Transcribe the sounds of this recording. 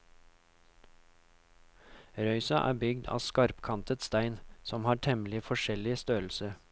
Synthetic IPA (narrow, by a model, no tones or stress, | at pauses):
ɾœʏsɑʔæ̰ːbʏɡd̪ɑ̰ːskɑɾpkʰɑnt̪ət̪st̪æɪnsɔmhɑːʈʰɛmlɪfɔʃɛlɪst̪øːl̩sə